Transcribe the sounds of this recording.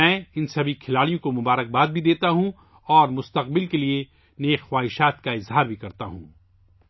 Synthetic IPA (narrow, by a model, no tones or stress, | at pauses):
ɛ̃ːɪnsɐbʱikʰɪlaːɽijõkomʊbaːɾək̚baːd̪̚bʱid̪eːt̪aɦũ | ɔːɾmʊst̪ɐq̚bɪlkelie | neːxxwaːɦɪʃaːt̪kaɪzɦaːɾbʱikɐɾt̪aɦṵ̃ː